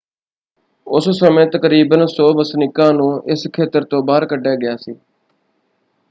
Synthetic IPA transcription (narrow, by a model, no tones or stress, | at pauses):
ʊssəmẽːt̪əkəɾiːbənsɔːbəsnɪkãːnũːʔɪskʰeːt̪əɾt̪õːbaːɾkəɖaːɡɪjaːsḭː